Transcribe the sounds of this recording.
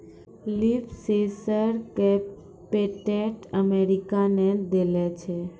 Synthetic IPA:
lipsesəɾkɛpː | eʈeʈəmeɾikaned̪elet͡ʃʰe

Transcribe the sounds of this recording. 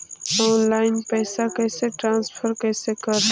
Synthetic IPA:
oːnlaːɪnpɛːsakɛːseʈɾãːnspʰəɾkɛːsekəɾ

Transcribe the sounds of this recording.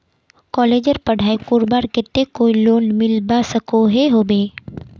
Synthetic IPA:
kɔːleːd͡ʒəɾpɐɽ̤ʱaːekʊːɾbaːɾket̪ːekoːiloːnmɪlbasəkoɦeɦoːbeː

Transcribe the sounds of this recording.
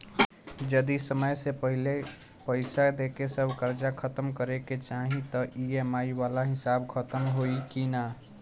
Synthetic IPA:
d͡ʒəd̪isəməjsepəɦile | pəɪsad̪ekesəbkəɾd͡ʒakʰət̪əmkəɾeket͡ʃaɦĩt̪ɔʔiemaiwalaɦɪsabkʰət̪əmɦoikina

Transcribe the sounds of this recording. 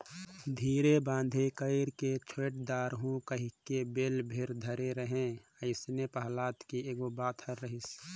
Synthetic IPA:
d̪ʱiːɾebãːnd̪ʱekəɪɾket͡ʃʰeːʈ̚d̪aːɾɦũkəɦikebeːlbʱɪɾd̪ʱəɾeɾəɦẽ | əɪsnepəɦlaːt̪kieːɡobaːt̪ʰəɾːəɦɪs

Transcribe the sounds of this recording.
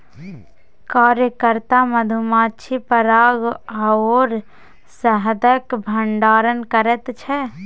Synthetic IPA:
kaːɾjəkəɾt̪aməd̪ʱumaːt͡ʃʰipəɾaːɡaoːɾ | səɦd̪əkbʱəɳɖaːɾənkəɾɛt̪t͡ʃʰɛ

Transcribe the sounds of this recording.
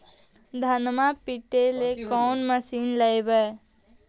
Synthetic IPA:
d̪ʱənmapiʈelekɔːnməsiːnləjbəː

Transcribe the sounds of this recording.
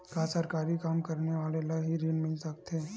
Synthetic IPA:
kaːsəɾkaːɾikaːmkɐɾneʋaːlelaɦiɾiːnmɪlsɐkt̪ɛ̃ː

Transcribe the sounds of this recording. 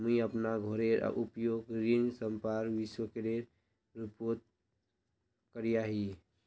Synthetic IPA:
mĩəpnaɡʱoɾeɾ̰ʔupjoːɡɾinsəmpaɾʋɪswəkeɾeɾ | ɾipoɾt̪̚ | kəɾijaɦi

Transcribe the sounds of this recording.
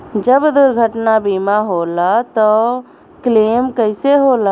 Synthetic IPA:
d͡ʒəbd̪uɾɡʱəʈnabimaɦolat̪ɔ | klemkəɪseɦola

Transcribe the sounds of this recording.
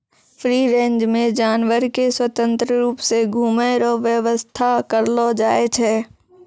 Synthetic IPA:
fɾiːɾẽɲd͡ʒmẽd͡ʒaːnwəɾkeswət̪ə̃nt̪ɾəɾuːpseɡʱuːmeɾɔʋjəʋəst̪ʰakəɾlɔd͡ʒaːet͡ʃʰɛː

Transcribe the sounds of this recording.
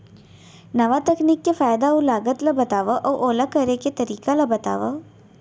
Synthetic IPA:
nɐʋat̪əkniːkːefaːjd̪aũlaːɡət̪ləbɐt̪aːʋəʔɔʔoːlakəɾeket̪ɐɾiːkaləbɐt̪a̰ːʋə

